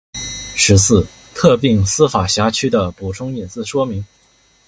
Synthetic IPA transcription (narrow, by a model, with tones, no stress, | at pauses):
ʂɻ̩˧˥sɹ̩˥˩ | t̪ʰɤ˥˧pi˥˩ŋsɹ̩˥fa˨˩ɕja˧˥t͡ɕʰy˥d̪ə˨pu˨˩ʈ͡ʂʰʊ˥ŋɛ˨˩t͡sɹ̩˥˩ʂwɔ˥mi˧˥ŋ